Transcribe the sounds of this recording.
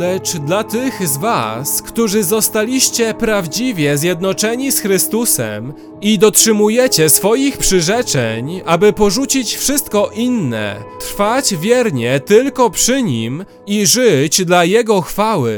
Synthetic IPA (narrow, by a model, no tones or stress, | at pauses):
lɛt͡ʂd̪lat̪ɘxzvaskt̪uʐɘzɔst̪alʲiɕt͡ɕɛpɾavd͡ʑivʲjɛzʲjɛd̪nɔt͡ʂɛɲisxɾɘst̪usɛ̰m | id̪ɔtʂɘmujɛt͡ɕɛsfɔjixpʂɘʐɛt͡ʂɛɲabɘpɔʐut͡ɕit͡ɕfʂɘst̪̚kɔʔinːɛ̰t̪ɾfat͡ɕvʲjɛɾɲɛt̪ɘlkɔpʂɘɲim | iʐɘt͡ɕd̪lajɛɡɔxfawɘ̰